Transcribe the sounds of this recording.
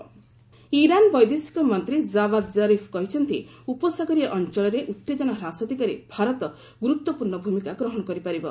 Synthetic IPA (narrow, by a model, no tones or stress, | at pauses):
iɾanbɔjd̪esi̥kɔmɔnt̪ɾizabad̪zaɾipʰkɔɦit͡ʃʰɔnt̪ḭupɔsaɡɔɾiʔɔnt͡ʃɔɭɔɾeʔut̪ːed͡ʒɔnɔɾasɔd̪ʱikaɾebʱaɾɔt̪ɔ | ɡuɾut̪wɔpuɾɳɔbʱumikaɡɾɔɦɔɽ̃ɔkɔɾipaɾibɔ